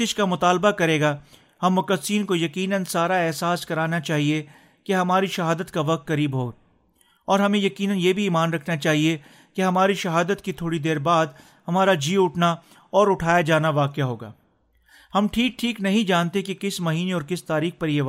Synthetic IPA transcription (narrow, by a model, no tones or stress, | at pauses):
ɪʃkamʊt̪aːlbakɐɾeːɡa | hɐmːʊkəsiːnkojɐkiːnənsaːɾaɛɦsaːskɐɾaːnat͡ʃaːɦie | keɦɐmaːɾiʃɐɦaːd̪ət̪kaʋɐk̚t̪kɐɾiːbɦoː | ɔːɾɦɐmẽjɐkiːnənjeːbʱiːmaːnɾɐkʰnat͡ʃaːɦie | keɦɐmaːɾiʃɐɦaːd̪ət̪kit̪ʰoːɽid̪eːɾbaːd̪ | hɐmaːɾad͡ʒiːʊʈʰna | ɔːɾʊʈʰaːjad͡ʒaːnaʋaːkejaɦoːɡa̰ː | hɐmʈʰiːk̚ʈʰiːknɐɦĩd͡ʒaːnt̪ekekɪsmɐɦiːneɔːɾkɪst̪aːɾiːxpɐɾje